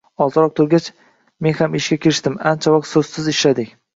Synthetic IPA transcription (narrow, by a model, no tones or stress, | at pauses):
ɒzɾɒq̚t̪ʰʊɾɡʲat͡ʃ | me̞nhamɪʃɡʲakʲʰeɾɪʃt̪ɪmant͡ʃʰavɒq̚t̪sɵzsɪzɪʃlad̪ɪkʲ